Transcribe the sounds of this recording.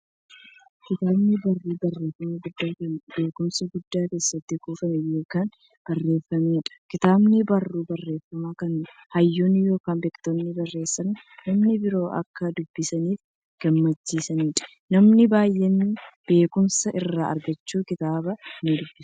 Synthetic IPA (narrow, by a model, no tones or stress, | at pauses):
kɪt̪aːbnɪbɐrːiːbɐrːe̞ːfːɐmɐɡʊd̪ːaːkːbe̞ːkʊmsɐɡʊd̪ːaːke̞ːsːɐt̪ːɪkuːfɐmɛjo̞ːkaːn | b̥ɐrːe̞ːfːɐmeːᶑɐ̥kɪt̪aːbnɪbɐrːuːbɐrːeːfːɐmaːkɐn | hɐjːoːnːɪjo̞ːkaːnbeːkt̪ɔnːɪbɐrːe̞ːsːɐnː | nɐmnɪbɪɾo̞ːʔɐ̰kːɐd̪ʊbːɪsɐniːf | ɡ̥ɐmːɐt͡ʃːiːsɐniːᶑɐ̥ | nɐmnɪbaːjːɛnːɪb̥e̞ːkʊmsɐʔɪrːaːɐ̰ɾɡɐt͡ʃːuːkɪt̪aːbɐnɪd̪ʊbːɪs